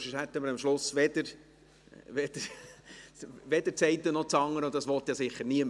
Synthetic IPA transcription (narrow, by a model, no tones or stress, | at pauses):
ʃɪʃhæt̪ːəməɾɑmʃlʊsʋɛd̪əɾ | ʋɛd̥̪əɾ | ʋɛd̪əɾt͡sɛɪt̪ːənɔt͡sɑŋːəɾɔd̪ɑsʋɔt̪jɑsɪχːəɾniəm